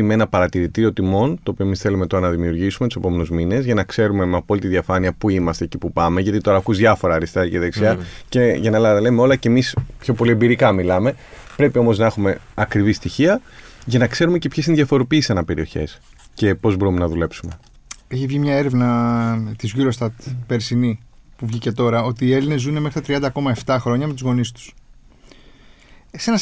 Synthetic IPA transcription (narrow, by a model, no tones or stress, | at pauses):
meenɐpɐɾɐt̪iɾit̪iɾio̞t̪imo̞nt̪oːpiomisθe̞lume̞t̪o̞ɾɐnɐðimiuɾʝisumet̪u̥sepo̞me̞nuzmine̞zʝɐnɐkse̞ɾume̞meɐpo̞lit̪iðiɐfɐniɐpuimɐst̪eːcipupɐme̞ʝɐt̪it̪o̞ɾɐkuzðʝɐfo̞ɾɐɾist̪ɐiciðeksiɐceʝɐnɐlɐt̪ɐlemeo̞lɐcemispço̞po̞lie̞mbiɾikɐmilɐme̞ | pɾe̞pio̞mo̞znɐe̞xume̞ɐkɾivist̪içiɐʝɐnɐkse̞ɾume̞cepçesineðjʝɐfo̞ɾo̞piːsisɐnɐpe̞ɾio̞̰çḛs | ce̞po̞zbo̞ɾumenɐðule̞psume̞ | eçivʝimɲɐe̞ɾe̞vnɐt̪izʝuɾo̞st̪ɐt̪peɾsinipuvʝice̞t̪o̞ɾɐo̞t̪iːe̞line̞zːune̞mexɾit̪ɐt̪ɾiɐnd̪ɐko̞mɐe̞ft̪ɐxɾo̞ɲɐmet̪uzɣo̞nist̪u̥s | se̞nɐs